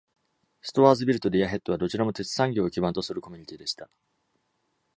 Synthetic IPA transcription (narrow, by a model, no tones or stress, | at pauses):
sɨ̥t̪o̞βaːzɨbʲiɾɯ̟t̪o̞ɾʲijaɦe̞t̪ːoad̪o̞t͡ɕiɾamo̞t̪e̞t͡sɨ̥sãŋɡʲo̞ːkʲibãnt̪osɨɾɯ̟ko̞mʲi̟ɲ̟it̪ʲid̪e̞ɕi̥t̪a